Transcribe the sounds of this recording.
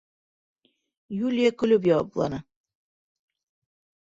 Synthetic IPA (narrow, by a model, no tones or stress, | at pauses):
julʲijakɵ̆lɵp̬jɑwɑplˠɑ̰nɤ